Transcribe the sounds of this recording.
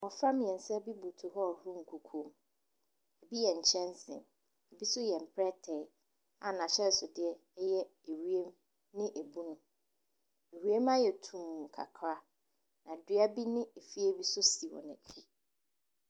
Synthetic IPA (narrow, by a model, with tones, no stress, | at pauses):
wɔ˨fã˦m˦jɛ̃˨n̩˨˦sɛ˦bi˦bu˨tʰʊ˨ɦɔ˦˨hũ˦ŋ̩˨kʰu˨kʰũ˦m | ɛ˨bi˦jɛ˨ɲ̩˨t͡ɕʰɛ̃˦n˦sɪ̰̃˨n | ɛ˨bi˦sʊ˦jɛ˨m˨pʰɾɛ˦tʰɛ˨ | a˨nã˨ɕɛ˦˨sʊ˨dɪ˨ɛ˦ | ɛ˦jɛ˦e˨ɾi˦e˦m | nɪ̃˦ʔe˨bu˦nʊ̃˦ | e˨ɾi˦e˦ma˦jɛ˨tʰũ˨mũ˨kʰa̰˨kʰɾa˦ | nã˨dɪ˦a˦bi˦nɪ̃˦e˨fi˦e˦bi˦sʊ˦si˨wɔ̰̃˨nɛ̃˨kʰi˦